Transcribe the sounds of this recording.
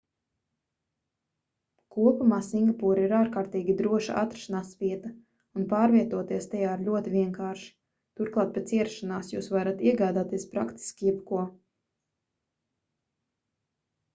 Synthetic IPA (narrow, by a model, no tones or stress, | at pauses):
kuɔpumaːsiŋɡapuːɾaiɾaːɾkaːɾt̪iːɡʲid̪ɾuɔʃa̰ʔa̰t̪ɾḁʃanaːsviɛt̪ɐ | unpaːɾviɛt̪uɔt̪iɛst̪ɛjaːiɾlʲuɔt̪ivʲiɛŋkaːɾʃi̥ | t̪uɾklˠɑːt̪̚pʲɛt̪siɛɾʃanaːsjuːsvaɾat̪iɛɡaːd̪aːt̪iɛspɾa̰kt̪i̥skʲijɛpkuɔ